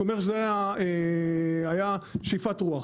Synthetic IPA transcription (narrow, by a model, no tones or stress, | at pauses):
omeʁʃzeae | ajaʃifatʁuaχ